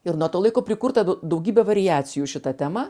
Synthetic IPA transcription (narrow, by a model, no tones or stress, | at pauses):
ɪɾnuɔt̪oːlˠɐɪkoːpʲɾʲɪkʊɾt̪ɐd̪ɐʊɡʲiːbʲɛʋɐɾʲɪjæːt̪sʲɪjuːʃʲɪt̪ɐt̪ʲæːmɐ